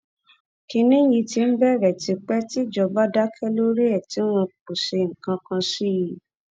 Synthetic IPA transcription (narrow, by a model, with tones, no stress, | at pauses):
ki˧nĩ˦ji˧ti˧n̩˦bɛ˦˨ɾɛ˨ti˧k͡pɛ˦ti˦˨d͡ʒɔ˧ba˦da˦kʰɛ˦lo˦ɾi˦ɛ˦˨ti˨˦w̃ɔ̃˧k͡pu˨se˧ŋ̩˨kã˧kã˧si˦ji˦